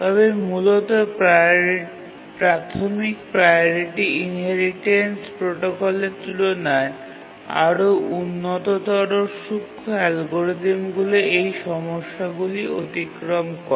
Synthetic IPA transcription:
t̪ɔβemulot̪o | pɾat̪ʰomikpɾajoɾiʈiinɦɛɾiʈenspɾoʈokolet̪ulonae | a̰ɾoʔunːot̪ot̪ɔɾoʃukʰːoɦɛlɡoɾid̪emɡuleejʃɔmoʃːaɡuliot̪ikɾomkɔɾ

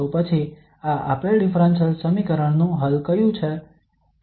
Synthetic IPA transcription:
opət͡ʃʰi | aʔapeɾɖɪfʰɾə̃nsəlsəmikəɾəɳnũɦəlkəjũt͡ʃʰe

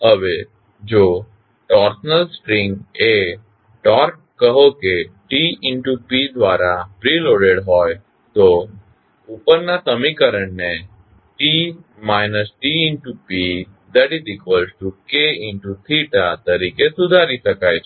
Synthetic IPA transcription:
ɦəʋe | d͡ʒo | ʈɔɾsnəlsʈɾɪ̃ŋɡe | ʈɔɾkːəɦokeʈiɪɳʈupid̪ʋaɾafɾiloɽeɽɦɔj | t̪o | upəɾnasəmikəɾəɳne | ʈi | majnəsʈiɪɳʈupi | d̪əɽid̪ikʰəlsʈukeɪɳʈut̪ʰiʈat̪əɾikesud̪ʱaɾiʃəkajt͡ʃʰ

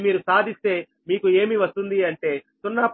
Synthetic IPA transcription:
miːɾusaːd̪ʱist̪e̞ː | miːkue̞ːmiʋɐst̪und̪iɐɳʈe̞ːsunːɐp

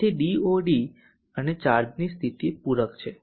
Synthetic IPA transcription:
iɖioɖi | ənet͡ʃaɾd͡ʒnist̪ʰit̪ipuɾəkt͡ʃʰe

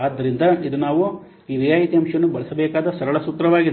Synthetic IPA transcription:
aːd̪ːɐɾind̪ɐid̪unaːʋu | iːʋijaːjit̪iɐmʂɐjɐnːubɐɭɐsɐbɛːkaːd̪ɐsɐɾɐɭɐsut̪ɾɐʋaːɡid̪e

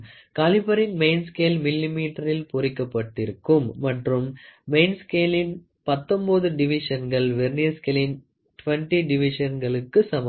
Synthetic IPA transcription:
kaːlɪpɐɾɪnmɐɪnskeːlmɪlːimiːʈːɐɾɪlpɔɾɪkːɐpːɐʈːɪɾɯkːɯmːɐʈrɯmːeɪnskeːlɪn | pɐt̪ːɔmboːðɯɖɪʋɪʂɐnɡɐɭʋɛɾniskeːlɪn | ʈʊʋɐɳʈiɖɪʋɪʂɐnɡɐɭɯkːɯsɐmɐ

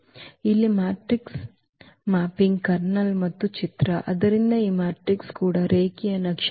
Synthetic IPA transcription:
ilːimaːʈɾiks | maːpiŋɡkɐɾnɐlmɐt̪ːut͡ʃit̪ɾɐʔɐd̪ɐɾind̪ɐiːmaːʈɾikskuːɽɐɾeːkijɐnɐkʂ

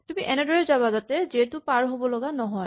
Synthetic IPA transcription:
tumiʔɛnɛdɔɹɛzaβazatɛziɦɛtʊpaɹɦobɔlɔɡanɔɦɔj

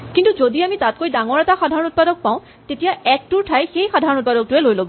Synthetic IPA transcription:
kintuzodiamitat̚kojdaŋɔɹɛtaxadʱaɹɔ̃nut̚padɔk̚pãʊ̃ | tetijaɛk̚tuɹtʰajxejxadʱaɹɔnut̚padɔk̚tʊɛlojlobɔ

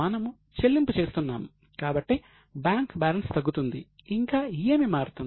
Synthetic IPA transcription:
ɐnɐmu | t͡ʃe̞lːimput͡ʃe̞ːst̪unːa̰ːmu | kaːbɐʈːi | bjaːŋkbaːlɐnst̪ɐɡːut̪und̪ḭiŋkaːijeːmimaːɾut̪un

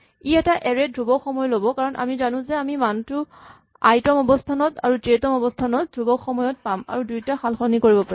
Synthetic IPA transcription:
iɛtaʔɛɹɛdʱɹubɔxɔmɔjɔlobɔkaɹɔnʔa̰mizanʊ̃zɛamimantʊ | a̰jtɔmɔbɔstʰanɔta̰ɹutetɔmɔbɔstʰanɔt̚dʱubɔxɔmɔjɔt̚pama̰ɹudujtaxalxɔnikoɹibɔpaɹɛ

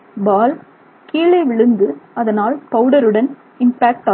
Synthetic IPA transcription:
baːl | kiːɭɐɪʋɪɭɯnd̪ɯɐðɐnaːlpɐʋɯɽɐɾɯɽɐn | ɪmpaːk̚ʈaː

